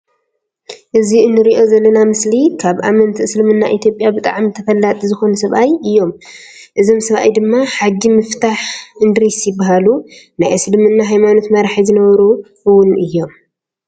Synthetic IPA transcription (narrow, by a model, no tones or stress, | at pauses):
ʔɨziɨnːɨɾiʔo̞zɐlːɐnamɨslikʰaβʔamɐnt̪ʰɨslɨmɨnːaʔit̪ʰjo̞pʼjabɨt̪ʼa̰ʕmit̪ʰɐfɐlːat̪ʼizɨxo̞nɐsɐβʔajɨjːo̞m | ʔɨzo̞msɐβa̰jd̪ɨmːaħaɡːimɨft̪ʰaħʔɨnd̪ɨɾisjɪbːaɦalunajʔɨslɨmɨnːaɦajmano̞t̪mɐɾaħizɨnɐβɐɾu | ɨwʊnɨjːo̞m